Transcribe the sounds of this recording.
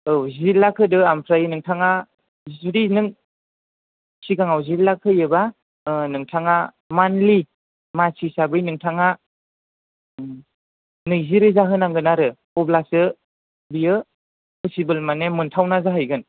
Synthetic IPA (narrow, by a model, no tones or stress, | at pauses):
ɯwzilːakʰɯdɯampʰɾajɯnɯŋtʰaŋa | zɾinɯŋ | siɡaŋawzilːakʰɯjɯba | nɯŋtʰaŋa | manli | masisabɯjnɯŋtʰaŋa | nɯziɾɯzaɦɯnaŋɡɯnaɾɯ | ɔblasɯ | bijɯ | pɯsibɯlmanemɯntʰawnazaɦɯjɡɯn